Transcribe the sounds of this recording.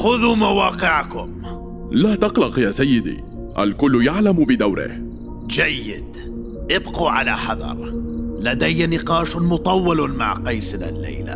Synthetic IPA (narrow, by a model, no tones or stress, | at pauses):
xʊðuːmawɑːqɪʕakʊm | laːt̪ɑqlɑqjaːsajːɪd̪ḭː | ʔa̰lkʊlːjaʕlambɪd̪awɾɪ̰h | d͡ʒajːɪ̰d̪ | ʔɪbquːʕalaːħɑðˤɑ̰ɾˤlad̪ajːanɪqɑːʃmʊt̪ˤɑwːɑlma̰ʕqɑjsɪna̰lːa̰jla̰